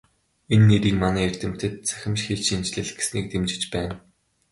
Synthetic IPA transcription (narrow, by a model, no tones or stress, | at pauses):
enːeɾiːkmanæːert̪ɘ̆m̥t̪ɘ̆t̪̚t͡sʰæ̥xʲɪ̆mʃxeɮt͡ɕint͡ɕɮɘ̆ɮɡe̥sniːk̚t̪emt͡ɕɪ̆t͡ɕpæːn